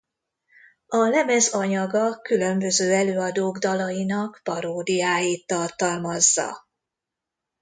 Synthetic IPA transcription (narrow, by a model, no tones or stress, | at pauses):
ɒlɛmɛzɒɲɒɡɒkylø̞mbø̞zøːɛløːɒd̪oːɡd̪ɒlɒjinɒkpɒɾoːd̪ijaːjiːt̪ːɒrt̪ɒlmɒzːɒ̰